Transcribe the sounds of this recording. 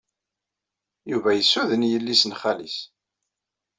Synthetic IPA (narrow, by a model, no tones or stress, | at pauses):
juvæjəsːuðənjəlːisənχælis